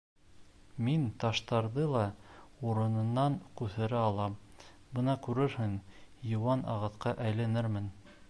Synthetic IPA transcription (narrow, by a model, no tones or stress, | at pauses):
mint̪ɑʃt̪ɑɾðɤlˠɑuɾɤ̆nɤ̆nːɑɴkʉθɘ̆ɾæɑlˠɑ | bɤ̆nɑkʉɾɘɾhɘŋjɤ̆wɑnʔɑ̰ʁɤ̆θqɑʔæjlænɘɾmɘn